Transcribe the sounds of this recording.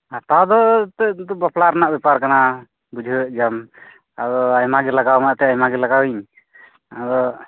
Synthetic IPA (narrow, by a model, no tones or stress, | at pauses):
at̪awd̪ɔt̪ɛd̪ɔbaplaɾnaʔbɛpaɾkana | bud͡ʒʱəʔd͡ʒam | ad̪ɔajmaɡɛlaɡawmaʔt̪ɛajmaɡɛlaɡawiɲ | ad̪ɔ